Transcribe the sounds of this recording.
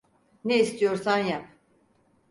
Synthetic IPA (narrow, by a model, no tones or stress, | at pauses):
neist̪ʰijoɾsanja